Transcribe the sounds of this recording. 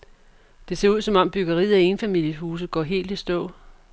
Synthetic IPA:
d̥e̝se̝̰ɐuðˠsɒ̽mɒ̽m̰b̥yɡ̥ɐʁḭːð̩ˠæe̝nfæmil̰jəhuːs̬ð̩ˠɡ̥ɒːɦe̝̰ːld̥isd̥ɔ̰̽ː

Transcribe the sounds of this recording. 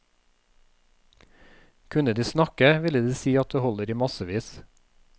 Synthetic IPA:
kʰʉnəd̪iːsnɑkəʋɪləd̪iːsiːɑt̪̚d̪eːhɔləɾiːmɑsəʋiːs

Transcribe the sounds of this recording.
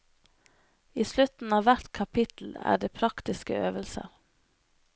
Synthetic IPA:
iːslʉt̪n̩ɑːʋæʈkʰɑpʰɪt̪l̩æ̰ːɖeːpʰɾɑkt̪ɪskə̰øːʋəlsə̰ɾ

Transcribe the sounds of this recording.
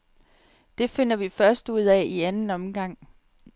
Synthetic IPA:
d̥e̝fe̝n̰ɐʋifɶɐsd̥uð̰ˠɛiænn̩ɒ̽mɡ̥ɑ̈ŋ̰

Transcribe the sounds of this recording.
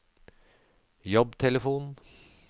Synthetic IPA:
jɔbt̪ʰɛləfuːn

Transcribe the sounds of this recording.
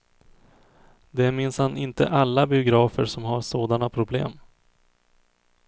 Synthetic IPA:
d̪ɛmɪnshanɪnt̪ə̰ʔalːabɪʊɡɾɑːfəɾʂɔmɦaɾʂoːd̪anapʰɾʊblḛːm

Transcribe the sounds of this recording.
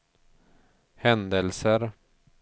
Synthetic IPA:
hɛnd̪əlsəɾ

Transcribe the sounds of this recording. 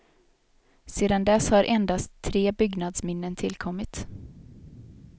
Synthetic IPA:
seːd̪and̪ɛshaɾʔɛnd̪ast̪ʰːɾeːbʏɡnad̪smɪnːənt̪ʰɪlkʰɔmːɪt̪

